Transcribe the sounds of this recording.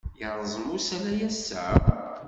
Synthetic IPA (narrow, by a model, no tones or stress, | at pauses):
jəɾˤəzˤəmʊsælæjæsːə̰